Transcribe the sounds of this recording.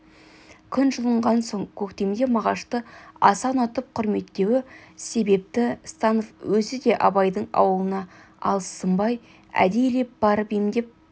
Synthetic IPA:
kʲʰʏnʒəlˠəɴʁɑnso̞ɴkʲʰɵkt̪e̞md̪e̞mɑʁɑʃt̪əɑsɑnot̪əp̚qʰʊɾme̞t̪ːe̞wɪse̞be̞p̚t̪ɪst̪ɑnofwɵzɪd̪e̞ʔɑbɑjd̪əɴɑ̰wəlˠənɑ | ɑ̰lˠəsːəmbɑj | æ̰d̪e̞jle̞p̚bɑɾpemd̪e̞p̚

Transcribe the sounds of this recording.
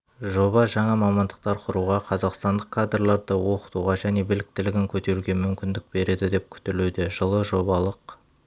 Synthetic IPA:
ʒo̞βɑʒɑɴɑmɑmɑnd̪əq̚t̪ɑɾqʰʊɾuʁɑqʰɑzɑqst̪ɑnd̪əqkʰːad̪rlˠɑɾd̪əwo̞qə̥t̪uʁɑʒæne̞bɪlɪk̚t̪ɪlɪɡʲɪŋkʲʰɵt̪e̞ɾuɡʲe̞mʏmkʲɪnd̪ɪk̚be̞ɾe̞d̪ɪd̪e̞p̚kʲʰʏ̥t̪elud̪eʒəlˠəʒo̞bɑlˠəq

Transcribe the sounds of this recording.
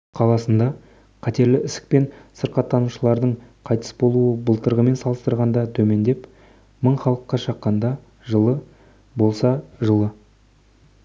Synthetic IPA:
qʰɑlˠɑsənd̪ɑ | qʰɑt̪e̞ɾlɪʔɪsɪ̥k̚pe̞nsəɾqɑt̪ʰːɑnuʃəlˠɑɾd̪əɴqʰɑjt̪ə̥sbo̞lˠuəbəlˠt̪əɾʁəme̞nsɑlˠəst̪əɾʁɑnd̪ɑt̪ʰɵme̞nd̪e̞p | məɴχɑlˠəqːɑʃɑqːɑnd̪ɑ | ʒəlˠə | bo̞lˠsɑʒəlˠə

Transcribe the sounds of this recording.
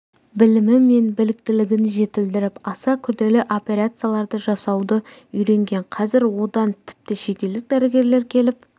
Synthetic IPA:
bɪlɪmɪme̞nbɪlɪk̚t̪ɪlɪɡʲɪnʒe̞t̪ɪld̪ɪɾɪpɑsɑkʲʰʏɾd̪e̞lɪʔo̞pʲe̞ɾat̪sɨjalˠɑɾd̪əʒɑsɑwd̪əʏjɾe̞ŋɡʲe̞ɴqʰɑzɪɾwo̞d̪ɑnt̪ʰɪ̥p̚t̪ɪʃe̞t̪e̞ld̪ɪk̚d̪æɾe̞ɡʲe̞ɾle̞ɾkʲʰe̞lɪp̚

